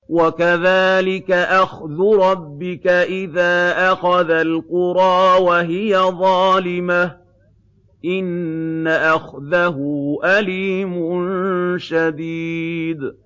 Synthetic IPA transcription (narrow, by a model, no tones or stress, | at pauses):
wakaðaːlɪkaʔaxðʊɾˤɑbːɪkaʔɪðaːʔaxaðalqʊɾˤɑːwaɦɪjaðˤɑːlɪmah | ʔɪnːaʔaxðaɦʊʔaliːmʊnʃad̪iːd̪